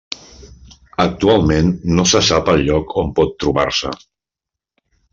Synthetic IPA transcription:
ək̚t̪ualˠmenːosəsapəlʎɔkʰompɔt̪ːɾuβa̰ɾsə̰

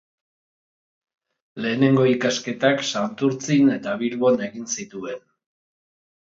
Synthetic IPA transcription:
le̞ːne̞ŋɡo̞ikaske̞t̪aksant̪uɾt͡sine̞t̪aβilβo̞ne̞ɣinsit̪ue̞n

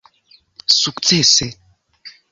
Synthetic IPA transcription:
sukt͡sese

